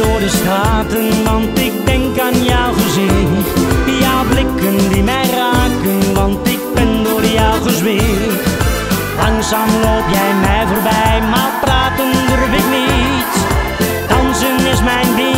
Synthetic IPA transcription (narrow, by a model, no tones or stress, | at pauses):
ʊːɹdəsχaːtənʋɑntɪk̚dɛŋkaːnjawχəzɪndijawblɪkəndimɛjraːkənʋɑntɪk̚bɛndoːɹdəjɑwχəzʋɪ | lɑŋsaːmloːtjɛjmɛjvoːrbɛjmalpraːtənbərupɪkni | t | tɑnsənɪsmɛjnbi